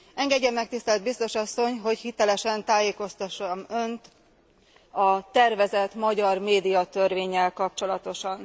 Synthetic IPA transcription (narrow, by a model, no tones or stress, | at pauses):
ɛŋɡɛɟːɛmːɛk̚t̪ist̪ɛld̪̚bist̪o̞ʃɒsːo̞ɲɦo̞chit̪ɛlɛʃɛnt̪aːjeːko̞st̪ɒʃɒmø̞nt̪ | ɒt̪ɛrvɛzɛt̪mɒɟɒrmeːd̪ijɒt̪ørveːɲːɛlkɒp̚t͡ʃo̞lɒt̪o̞ʃɒn